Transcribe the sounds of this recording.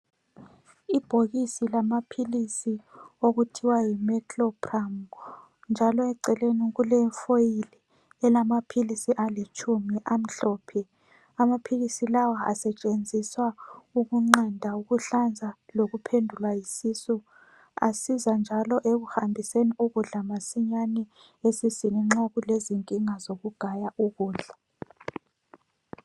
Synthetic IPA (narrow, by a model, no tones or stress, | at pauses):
ib̥ʱoɣisilamapʰilisioɣutʰiwajimɛtʰlɔpʰram | nd͡ʒʱalɔɛǀɛleniɣulɛɱfojili | ɛlamapʰilisiʔalet͡ʃʼumiʔam̩ɬɔːpʰɛ | amapʰiɣisilawaa̰sɛt͡ʃʼend͡zʱiswauɣuŋ͡ǃandʱauɣuɬand͡zʱaloɣupʰendʱulwajisisu | a̰sizand͡ʒʱalɔʔeɣuhambʱiseniuɣuɮamasiɲanɛ | esisiniŋ͡ǁoɣuleziŋkʼiŋazoɣuɡ̥ʱajaʔuɣuːɮa